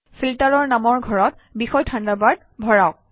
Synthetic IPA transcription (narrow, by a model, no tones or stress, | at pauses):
filtaɹɔɹnamɔɹɡʱɔɹɔt̚ | bixɔjtʰandabad̚ | bʱɔɹaʊk̚